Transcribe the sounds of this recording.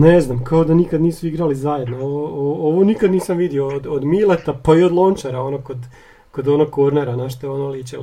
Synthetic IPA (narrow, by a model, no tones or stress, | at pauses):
neznamkaod̪anikad̪niːsuiɡɾalizaje̞d̪nooʋooooʋonikad̪niːsamʋid̪iood̪od̪milet̪apaio̞d̪lˠont͡ʃaɾao̞nokod̪ | kod̪o̞noɡ̚koɾneɾanaʃt̪oeonolit͡ʃel